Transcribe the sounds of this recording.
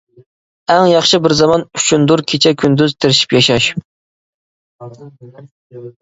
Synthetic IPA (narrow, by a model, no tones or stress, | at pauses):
æŋjɑχʃɨbɪɾzɑmɑnyʃʰund̪uɾkʲʰet͡ʃʰɛkʲʰynd̪yzt̪ʰɪɾɪʃi̥pjɑʃɑʃ